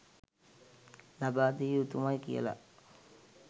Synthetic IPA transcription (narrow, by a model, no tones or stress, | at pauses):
labaːd̪ijut̪umajkḭjə̰la̰